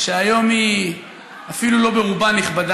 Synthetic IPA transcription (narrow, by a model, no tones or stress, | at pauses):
ʃeajo̞mi | afilulo̞beʁubanːiχbad